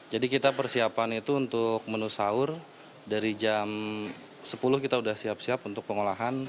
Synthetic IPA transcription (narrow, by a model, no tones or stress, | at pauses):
d͡ʒadikit̪apərsiapanit̪uːnt̪ʊk̚mənusaʊr | daɾid͡ʒam | səpulʊhkit̪audahsiap̚siapunt̪ʊk̚pəŋolaɦan